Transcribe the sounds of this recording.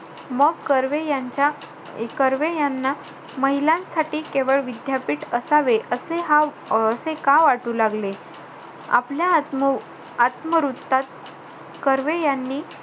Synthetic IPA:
məɡkəɾʋejat͡ɕa | kəɾʋejanːa | məɦilãnsaʈiːkeʋəɭʋid̪japiːʈəsaʋeʔəseɦa | əsekaʋaʈuːlaɡle | a̰plja | at̪məɾut̪ːat̪̚ | kəɾʋejanːiː

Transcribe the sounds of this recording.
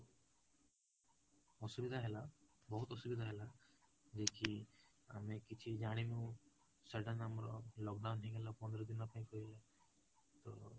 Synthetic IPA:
ɔsubid̪ʱaɦela | bɔɦut̪ɔsubid̪ʱaɦela | d͡ʒeki | a̰mekit͡ʃʰid͡ʒaɽ̃imeu | seɾɖanamɔɾɔlɔkɖawnɦeɡelapɔnd̪ɔɾɔd̪inɔpaĩkɔɾila | t̪ɔ

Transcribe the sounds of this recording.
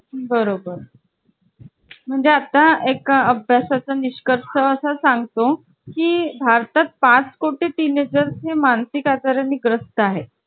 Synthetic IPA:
bəɾobəɾ | m̤əɳd͡zeat̪aekəbʱjasat͡saniɕkəɾsəəsasaŋɡt̪o | kiːbʱaɾt̪at̪̚pãt͡skoʈiːt̪ined͡zəɾsemansikat͡s̪əɾjaniːɡɾəst̪əaɦe

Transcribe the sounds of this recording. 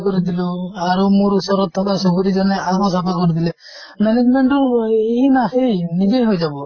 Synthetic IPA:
kɔɾid̪iluaɾumoɾusɔɾɔt̪ʰːɔkasoɡuɾid͡ʒɔneabɔsapɔɾkɔɾit̪ʰile | mɛned͡ʒmeɳʈueɦinahejnid͡ʒejɦojd͡ʒabɔ

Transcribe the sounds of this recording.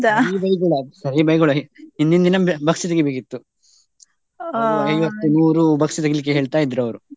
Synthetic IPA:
d̪aiːbɐjɡɐɭɐsɐɾibɐjɡɐɭuiɦind̪ind̪inɐbɐksit̪ɐɡibekit̪ːu | ɐjʋɐt̪ːumuːɾubɐksit̪ɐɡilik̬ːeɦeːɭt̪aːjid̪ːɾɐʋɐɾu

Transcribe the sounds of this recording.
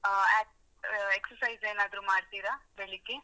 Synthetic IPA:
ɛːʈ | eksɐɾsɐjzeːnaːd̪ɾumaːɖt̪iːɾabeɭikːe

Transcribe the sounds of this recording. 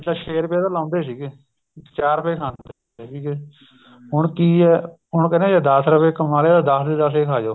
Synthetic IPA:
t̪ləʃeːɾpɛːd̪aːlãːnd̪eːsiːɡeː | t͡ʃaːɾpeːkʰaːnd̪ | kiːɡeː | ɦʊɳkiːɛː | ɦʊɳkɛːnẽːd͡ʒaːd̪əsɾəpeːkəmaːleːd̪ad̪əsd̪eːd̪əseːkʰaːd͡ʒoː

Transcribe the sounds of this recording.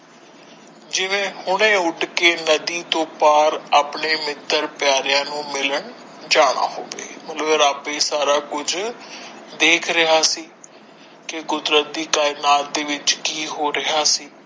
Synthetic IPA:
d͡ʒɪʋẽːhʊɽ̃ẽːʊɖkeːnəd̪iːt̪õːpaːɾaːpɳeːmɪt̪ːəɾpɪjaːɾɪjãːnũːmɪləɳ | d͡ʒaːɽ̃a̰ːɦo̰ːʋḛːmət̪ləbɾaːpẽːsaːɾaːkʊd͡ʒ | d̪eːkʰɾɪɦaːsiː | kɪɡʊd̪ɾət̪̚d̪iːkaːɪnaːt̪̚d̪eːʋɪt͡ʃkiːɦoːɾɪɦaːsiː

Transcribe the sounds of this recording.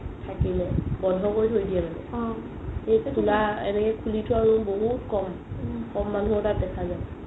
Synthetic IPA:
tʰakilɛbɔndʱɔkojtʰojdijananɛ̰ | xejkʰulaɛ̰nɛkɛkʰulitʊaɹuboɦutkɔm | kɔmːanuɦɔtat̚dɛkʰaza

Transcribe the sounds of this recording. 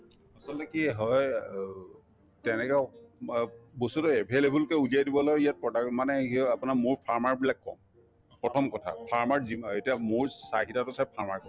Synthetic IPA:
asɔltɛkiɦɔj | tɛnɛkɛ | bosutɔɛbʱelebulkɛuzijajdibɔlɔjijat̚pɔdakmanɛɦiapunamʊɹpʰaɹmaɹbilakːɔ̰m | pɹɔtʰɔmkɔtʰa̰pʰaɹmaɹziḛtijamʊɹsa̰ɦitatʊsapʰaɹmaɹkɔ

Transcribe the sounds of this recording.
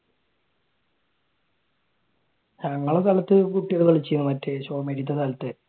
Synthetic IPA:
ɲɐŋːɐɭesɐlɐt̪ːɨkuʈːiɐɽuɣɐɭt͡ɕejnːumɐtːeɕoːmeɽit̪̬ːɐsɐlɐt̪ːe

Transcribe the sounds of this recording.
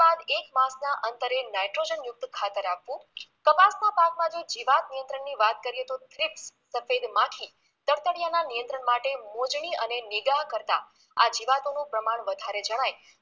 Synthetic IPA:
ad̪ekmãsnaʔənt̪əɾenajʈɾod͡ʒənjʊk̚t̪kʰat̪əɾapʋũkəbasnapakmãd͡ʒod͡ʒiʋat̪̚nijə̃nt̪ɾəɳːiʋat̪̚kəɾiɦət̪ot̪ɾɪpsːəfed̪mãkʰi | t̪əɾt̪əɽjananijənt̪ɾəɳmaʈemod͡ʒɳ̃iənenɪɡaɦkəɾt̪a̰ | a̰d͡ʒiʋat̪onũpɾəmaɳʋəd̪ʱaɾed͡ʒəɽ̃aj

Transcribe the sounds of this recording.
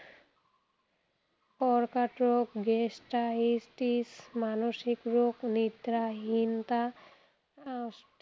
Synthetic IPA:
pɔɾkaʈɾokɡesʈaisʈismanoʃikɾoknit̪ɾaɦint̪a | s

